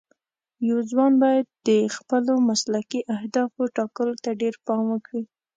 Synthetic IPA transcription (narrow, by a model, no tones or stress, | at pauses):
jawzwɑnbɑjad̪̚ːəxpəlomaslakiʔahd̪ɑfoʈɑkəlot̪aɖeɾpɑmwəkɽi